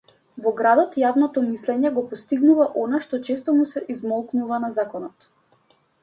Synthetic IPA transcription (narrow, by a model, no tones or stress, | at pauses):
vɔɡɾad̪ɔt̪javnɔt̪ɔmislɛɲɛɡɔpɔst̪iɡnuvaʔɔnaʃt̪ɔt͡ʃɛst̪ɔmusɛʔizmɔlˠknuvanazakɔnɔt̪